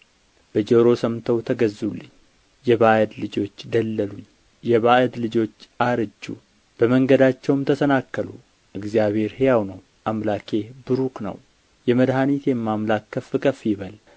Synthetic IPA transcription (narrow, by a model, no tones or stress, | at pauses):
b̥əd͡ʒəɾo̞səmt̪ʰəwt̪ʰəɡəzːulːɨɪɲː | jɛβaʔəd̪lɨd͡ʒo̞t͡ʃːd̪əlːəluɲː | jɛβaʔəd̪lɨd͡ʒo̞t͡ʃːaɾɨd͡ʒːṵ | b̥əməŋɡəd̪at͡ʃːɛwmt̪ʰəsənakːəlṵ | ʔɨɡzijaβhe̞ɾhejawnəw | ʔamlakʰe̞bɨɾuknə̰w | jɛməd̪ɦanit̪jɛmːamlakːəfɨkʰʼəfjɪβəl